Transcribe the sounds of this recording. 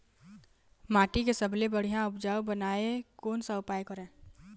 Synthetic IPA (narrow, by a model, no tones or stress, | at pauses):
maːʈikesəblebəɽ̤ijãʊpd͡ʒaːobənaːekoːnsaʊpaːjkəɾẽː